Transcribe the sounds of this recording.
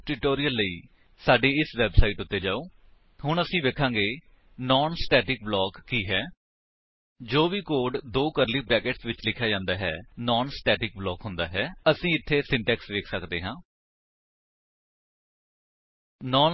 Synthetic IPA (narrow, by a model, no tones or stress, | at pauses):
ʈɪʈoːɾijəlːəiː | saːɖiːɪsʋɛːbsaːiːʈʊt̪ːeːd͡ʒaːoː | hʊɳəsĩːʋeːkʰãːɡeː | nɔːnsʈɛːʈɪk̚blɔːkːiːɦɛː | d͡ʒoːʋiːkoːɖd̪oːkəɾliːpɾɛːkeʈsʋɪt͡ʃlɪkʰjaːd͡ʒãːnd̪aːɦɛ̰ːnɔːnsʈɛːʈɪk̚blɔːkɦʊnd̪a̰ːɦɛːəsĩːɪt̪ʰːeːsɪɳʈɛːksʋeːkʰsəkd̪eːɦãː | nɔːn